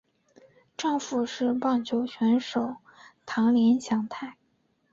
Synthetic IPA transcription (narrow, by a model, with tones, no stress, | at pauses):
ʈ͡ʂɑ˥˧ŋfu˨˩ʂɻ̩˥˧pɑ˥˩ŋt͡ɕʰjo˧˥ʊɕɥɛ˧˥nʂo˨˩ʊ | t̪ʰɑ˧˥ŋljɛ˧˥nɕjɑ˧˥ŋt̪ʰa˥˩ɪ